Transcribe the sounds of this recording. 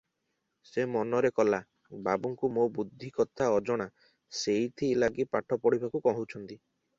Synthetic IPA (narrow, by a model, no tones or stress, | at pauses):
semɔnɔɾekɔla | babuŋkumobud̪ʱːikɔt̪ʰaɔd͡ʒɔɽ̃a | sejt̪ʰilaɡipaʈʰɔpɔɽibʱakukɔɦũt͡ʃʰɔnt̪i